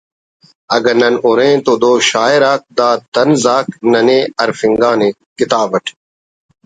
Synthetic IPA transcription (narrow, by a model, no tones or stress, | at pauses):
ɐɡɐnɐnʊɾẽːt̪oːd̪oːʃaːeɾaːk̚d̪aːt̪ɐnzaːknɐnẽːɐɾfɪŋɡaːnẽː | kɪt̪aːbʋɐʈʰ